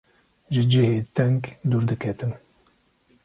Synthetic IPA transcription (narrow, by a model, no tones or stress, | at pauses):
ʒɨd͡ʒiheːt̪ɛŋkd̪uɾd̪ɨkʰɛt̪ɨn